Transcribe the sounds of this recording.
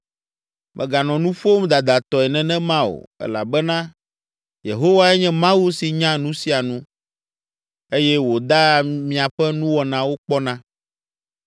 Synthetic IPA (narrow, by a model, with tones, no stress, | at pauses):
mʔɛ̰̃˨ɡa˨nɔ̃˨nũ˦ɸo˦m˦d̪a˨d̪a˨t̪ɔ˨ɛ˨nɛ̃˨nɛ̃˦mã˦o̰˨ɛ̰˦la̰˨bɛ˦nã˦ | jḛ˨ɦo˦wa˦ɛ˦ɲɛ̃˦mã˦wu˦si˨ɲã˦nũ˦si˦a˨nũ˦ | e˦jɛ˦wo˨d̪a˦mĩ˦˨a˨ɸɛ˦nũ˦wɔ˨nã˨wo˦k͡pɔ˦nã˦